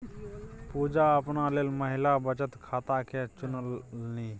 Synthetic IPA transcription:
pud͡ʒaəpnaleːlməɦɪlabət͡ʃət̪kʰaːt̪akʰet͡ʃʊnəlni

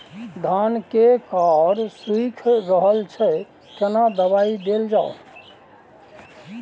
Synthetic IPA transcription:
ɖ̪ʱankekaɾswikʰɾəɦəlt͡ʃʰɛ | kenad̪əβaid̪eld͡ʒao

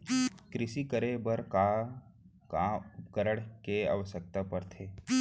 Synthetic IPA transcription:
kɾɪʃikəɾebəɾka | kaʊpkəɾəɽ̃kea̰ʋəʃək̚t̪apɐɾt̪ʰeː

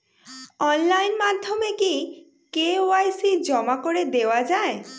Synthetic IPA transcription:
ɔnlajnmad̪ʱːjɔmeki | keoajsid͡ʒɔmakoɾed̪ewad͡ʒae

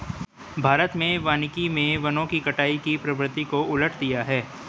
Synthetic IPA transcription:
bʱaːɾət̪mẽʋaːnɪkimẽʋɐnõkikɐʈaːikipɾɐʋɾɪt̪ikoʊləʈʰd̪ijaɦɛː

